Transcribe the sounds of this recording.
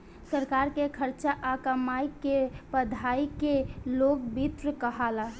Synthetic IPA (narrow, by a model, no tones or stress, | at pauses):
səɾkaɾkekʰəɾt͡ʃaʔakəmaikepəd̪ʱaikelokbit̪ɾəkəɦala